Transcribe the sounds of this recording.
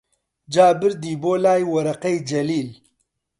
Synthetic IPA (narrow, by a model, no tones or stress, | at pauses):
d͡ʒaːbɪɾd̪iːboːlaːjwɐɾɐqɐjd͡ʒɐliːl